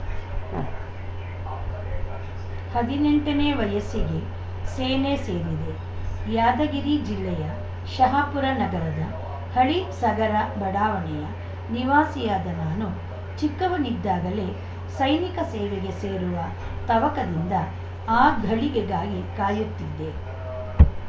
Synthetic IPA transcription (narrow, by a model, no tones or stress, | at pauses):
hɐd̪ine̞ɳʈɐneːʋɐjɐsiɡe̞ | seːnese̞ːɾid̪e̞ | jaːd̪ɐɡiɾid͡ʒilːɛjɐ | ʃɐɦapuɾɐnɐɡɐɾɐd̪ɐ | hɐɭisɐɡɐɾɐbɐɽaːʋɐɳɛjɐ | niʋaːsijaːd̪ɐnaːnu | t͡ʃikːɐʋunid̪ːaːɡɐle̞ | sɐjnikɐseːʋeɡe̞seːɾuʋɐ | t̪ɐʋɐkɐd̪ind̪ɐ | aːɡʱɐɭiɡeɡaːɡikaːjut̪ːid̪ːe̞